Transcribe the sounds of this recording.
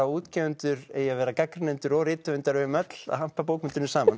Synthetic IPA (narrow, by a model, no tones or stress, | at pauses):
awuːt̪cɛːvʏnt̪ʏɾeːjavɛːɾakakɾnɪnt̪ʏɾɔɣrɪːt̪ʏʏnt̪aɾʏmœt̪l̥a̰ðham̥pap̬oːwkmʏnt̪ʏɾnʏsaːman